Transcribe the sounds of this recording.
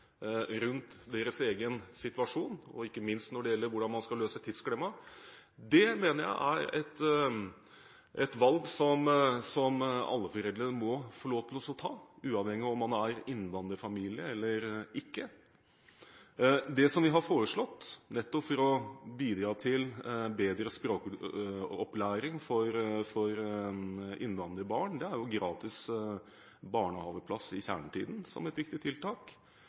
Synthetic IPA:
ɾʉnt̪d̪eːɾəseːɡənsɪt̪ʉʋɑʂuːnɔ̰ɪkːəmɪnst̪nɔɖɛjɛlːəɾʋʊɖɑnmɑnskɑlːøːsət̪ʰɪd̪skɽɛmɑ | d̪ɛmeːnəɾjæ̰ɪʔæ̰ɾɛ̰t̪ | ʔɛt̪ʋɑlɡsɔmsɔmɑ̰lːəfɔɾɛld̪ɾənəmɔfɔɭoːt̪ʰlɔsɔt̪ʰɑ̰ːʉːɑʋhɛŋːɪɔmːɑnæɾɪnːʋɑnd̪əɾfɑmiːlɪəɛlːəɾɪkːə | d̪ɛsɔmʋɪɦɑɾfoːɾəʂɭɔt̪ːnɛt̪ːɔpfɔɾɔbiːd̪ɾɑːt̪ʰɪlbeːd̪ɾəspɾoːk | ɔplæːɾɪŋfɔɾfɔɾ | ʔɪ̰nʋɑnd̪əəbɑːɳd̪ɛæɾjʊɡɾɑːt̪ɪs | bɑːɳəhɑːʋəpʰlɑsɪçæ̰ːɳəʈ̪ʰḭːd̪n̩sɔ̰mɛt̪ʋɪk̚t̪ɪt̪ʰɪlt̪ɑːk

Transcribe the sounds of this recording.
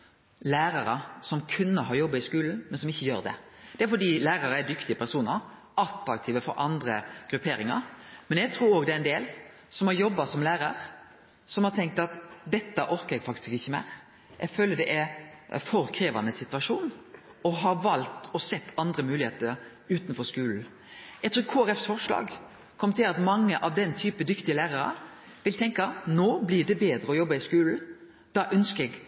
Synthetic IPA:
læːɾɑɾəsɔmkʰʉnːəɦɑːɾjɔbːəɪskʉːln̩mɛnsɔmɪçːəjøːɾd̪ɛ̰d̪ɛæɾfɔɖiːlæːɾɑɾəæɖ̪ʏkt̪ɪəpʰæɾsuːnəɾ | ʔɑt̪ɾɑk̚t̪ʰiːʋəfɔɾʔɑnd̪ɾəɡ̥ɾʉpʰeːɾɪŋɑ̰ɾmɛnjæɡ̚t̪ʰɾuːɾoːɡd̪ɛæɪnd̪eːl | sɔmhɑɾjɔbːɑsɔmlæːɾɑɾ | sɔmhɑɾt̪ʰɛŋk̚t̪ɑt̪d̪ɛt̪ːəʔɔɾkəɾɛɡfɑk̚t̪ɪ̥skɪçːəmæ̰ːɾ | ʔɛɡføːləɖ̪ɛʔɛɾfɔɾkʰɾeːʋɑ̰nəsɪt̪ʋɑʂuːn | ɔɦɑɾʋɑlt̪ʰɔsɛt̪ʰːɑnd̪ɾəmʉːlɪeːt̪əɾ | ʉːt̪nfɔɾskʉːln̩ | jɛɡt̪ɾʉːɾkʰoːæɾɛfsfɔɾʂlɑ̰ːɡ | kʰɔmt̪ʰɪlɑt̪mɑŋːəʔɑʋd̪ɛnt̪ʰyːpəd̪ʏkt̪ɪəlæːɾɑɾɑ̰ | ʋɪlt̪ʰɛŋkɑnoːblɪɖ̪ɛbeːd̪ɾəɔjɔbːɑɪskʉːln̩ | d̪̥ɑːʔœnskəɛɡ

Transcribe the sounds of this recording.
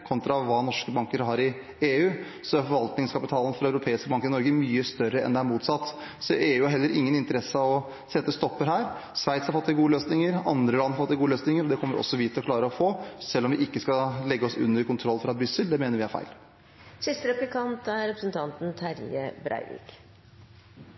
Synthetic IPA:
kʰɔnt̪ɾɑɑʋʋɑːnɔʂkəbɑŋkəɾɦɑɾɪ | eːʉː | sɔæɾfɔɾʋɑlt̪nɪŋskʰɑpɪt̪ʰɑːlən̩fɾɑœʉɾʊpʰeːɪskəbɑŋkəɾɪnɔɾɡəmyːəst̪œɾːəɛ̰nd̪ɛæɾmuːt̪sɑt̪ː | sɔʔeːʉːʊhɑɾɦɛlːəɾɪŋːənɪnt̪əɾɛsəɑʋɔ | sɛt̪ːəst̪ɔpːəɾɦæːɾsʋæɪt̪shɑɾfɔt̪ːɪɡuːəløːsnɪŋəɾɑ̰nd̪ɾəlɑnːhɑɾfɔt̪ːɪɡuːəløːsnɪŋəɾɔd̪ɛkɔmːəɾʔɔ̰sːɔʋiːt̪ʰːɪlɔkʰlɑːɾəɔfoːsɛlːɔmʋɪʔɪkːəskɑlɛɡːəɔsʉ̰nːəɾkʊnt̪ʰɾɔlːfɾɑbɾʏsːəld̪ɛmeːnəʋɪhæɾfæ̰ɪl | sɪst̪əɾɛplɪkʰɑnt̪æɾɾɛpɾəsən̩t̪ʰɑnt̪n̩t̪ʰæɾjə̰bɾæ̰ɪɾɪ̰k

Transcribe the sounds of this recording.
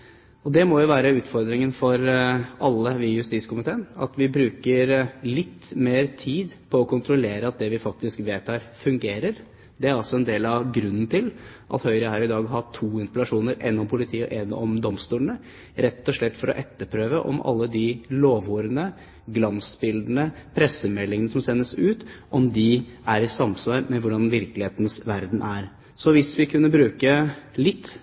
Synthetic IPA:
ɔd̪ɛmɔjʊʋæːɾəʉːt̪fɔɾd̪ɾɪŋənfɔɾɑlːəʋɪjʉst̪iːt̪skʊmɪt̪ʰeːnɑt̪ʋɪbɾʉːkəɾlɪt̪ːmeːɾt̪ʰiːd̪pʰɔɔkʰʊnt̪ʰɾʊleːɾəɑt̪̚d̪ɛʋɪfɑk̚t̪ɪskʋeːt̪hæːɾfʉŋɡeːɾəɾ | d̪ɛæɾɑlsɔɛnd̪eːlɑʋɡɾʉnːn̩t̪ʰɪl | ʔɑ̰t̪hœʏɾəhæːɾɪd̪ɑːɡɦɑʈʰuːɪnspəlɑʂuːnəɾɛ̰nːɔmpʰʊlɪt̪ʰiːəɔ̰ʔɛnɔ̰md̪ɔmst̪uːlənə | ɾɛt̪ːɔʂɭɛt̪ːfɔɾɔ̰ʔɛt̪ːəɾpʰɾøːʋəʔɔ̰mɑ̰lːəd̪ɪloːʋuːɾənə | ɡlɑnsbɪld̪n̩əpʰɾɛsəmɛlːɪŋənəsɔmsɛnːəsʉːt̪ʔɔmd̪ɪʔæɾɪsɑmsʋɑːɾmɛʋʊɖɑnʋɪɾklɪheːt̪nsʋæɾd̪n̩ʔæɾ | sɔʋɪsʋɪkʰʉnːəbɾʉːkəlɪt̪ː

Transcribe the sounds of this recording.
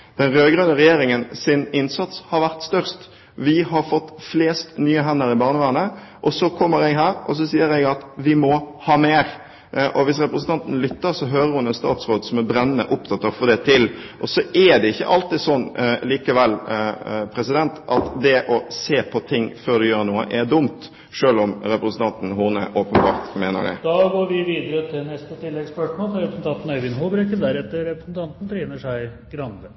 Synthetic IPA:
d̪̥ɛnɾøːɡɾœnəʁɛjeːɾɪŋənsɪnɪnsɑt̪shɑɾʋæʁt̪st̪œʁst̪ | ʋɪɦɑɾfɔt̪ːfleːst̪nyːəɦɛnːəɾɪbɑːʁnəʋæːnə | ʔɔsɔkʰɔmːəɾɛɡɦæːɾʔɔs̬ɔsiːəɾɛɡɑt̪ʋɪmɔhɑːmeːɾ | ʔɔʋɪsɾɛpɾəsn̩t̪ʰɑnt̪nlʏt̪ːəɾsɔɦøːɾəɾhʊnɛnst̪ɑ̰ːt̪sʁoːd̪sɔmɛbɾɛnːənə̰ʔʊp̚t̪ʰɑt̪ːɑʁfɔɾd̪ɛt̪ʰɪl | ʔɔsɔʔɛd̪ɛɪçːə̰ʔɑlt̪iːd̪sɔnːliːkəʋɛlː | pʰɾɛsɪd̪ɛnt̪ʔɑt̪d̪ɛʔɔseːpʰɔt̪ʰɪŋːføːɾd̪ɛjøːʁɾnuːə̰ʔɛɾd̪ʊmt̪ | ʂøːlɔmɾɛpɾəsn̩t̪ʰɑnt̪n̩ɦʊʁnə̰ʔoːpənbɑ̰ːɾt̪meːnə̰ɖ̪ɛ̰d̪ɑɡoːɾʋɪʋiːd̪əɾət̪ʰɪlnɛst̪ət̪ʰɪlːɛɡspœʂmoːlfɑɾɛpɾəsn̩t̪ʰɑnt̪n̩œʏʋɪnɦubɾɛkəd̪æɾɛt̪ːəɾɛpɾəsn̩t̪ʰɑnt̪n̩t̪ʰɾeːnəʂæɪ | ɡɾɑnd̪ə

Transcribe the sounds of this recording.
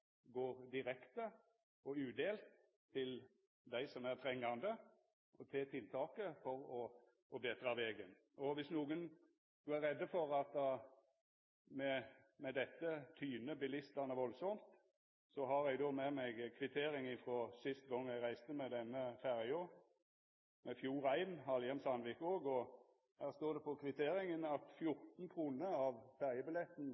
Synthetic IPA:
ɡoːɾd̪ɪɾɛkt̪ə | ɔʉːd̪eːlt̪ʰː | ɪl | d̪æɪsɔmæɾt̪ʰɾɛŋːɑnd̪ə | ʔɔt̪ʰɛt̪ʰɪlt̪ʰɑːkəfɔɾɔ | ɔbeːt̪ɾɑʋeːɡən | ɔʋɪsnuːɡən | d̪̥ʉæɾɛd̪ːəfɔɾɑt̪ | mɛmɛd̪ɛt̪ːət̪ʰyːnəbɪlɪst̪ɑnəʋɔlsɔmt̪ | sɔɦɑɾɛɡd̪oːmemɛɡkʰʋɪt̪ʰeːɾɪŋɪfɾɔsɪst̪ɡɔŋːjæɡʁæɪst̪əmɛd̪ɛnːəfæʁɪo | mɛfjuːɾæɪnhɑljɛnsɑnʋɪkoːɡɔ | hæːʁst̪oːʁd̪ɛpɔkʰʋɪt̪ʰeːɾɪŋənɑt̪fjʊʁt̪n̩kʰɾuːnəɑʋfæʁjəbɪlɛt̪ːn̩

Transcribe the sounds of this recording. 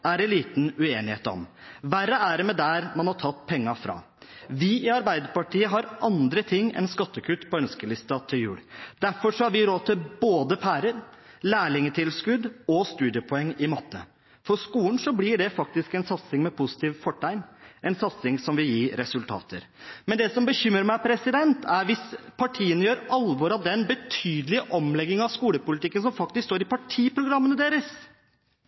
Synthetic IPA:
æɾɛnliːt̪n̩ʉeːnɪhḛːt̪ɔ̰m | ʋæɾəæɖɛmɛd̪æɾmɑnhɑʈʰɑt̪ːpʰɛŋːɑfɾɑ̰ː | ʋɪɪɑɾbæɪd̪əɾpɑʈʰiːəɦɑɾʔɑnd̪ɾət̪ʰɪŋːɛ̰nskɑt̪ːəkʰʉt̪ːpʰɔœnskəlɪst̪ɑt̪ʰɪljʉ̰ːɽd̪̥æɾfɔʂɔhɑɾʋɪɾoːt̪ʰɪlboːd̪əpʰæːɾəɾ | læːɭɪŋət̪ʰɪlskʉd̪ɔst̪ʉːd̪ɪəpʰɔɛŋːɪmɑt̪ʰːə | fɔɾʂkuːn̩sɔblɪɖɛfɑk̚t̪ɪskɛnsɑt̪sɪŋmɛpʰʊsɪ̥t̪iːʋfɔʈʰːæɪnʔɛnsɑt̪sɪŋsɔmʋɪljiːɾɛsʉlt̪ʰɑ̰ːt̪ʰə̰ɾmɛnd̪ɛsɔmbəçʏmɾəɾmæɪpʰɾɛsɪd̪ɛnt̪ʰæɾʋɪspʰɑʈʰiːənəjøːɾɑlʋɔɾɑʋd̪ɛnbət̪ʰyːd̪əlɪʔɔmlɛɡːɪŋɑʋskuːləpʊlɪt̪ɪkːəns̬ɔmfɑk̚t̪ɪskst̪oːɾɪpɑʈʰiːpʰɾʊɡɾɑmːənəd̪eːɾəs

